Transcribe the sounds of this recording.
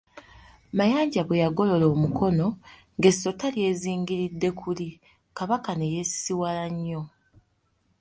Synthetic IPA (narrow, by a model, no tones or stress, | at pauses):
majaːɲɟaβwejaɡo̞lo̞lo̞ːmuko̞no̞ | ŋɡe̞sːo̞talje̞ːziːŋɡiɾidːe̞kʰuli | kaβakane̞jesiwalaɲːo̞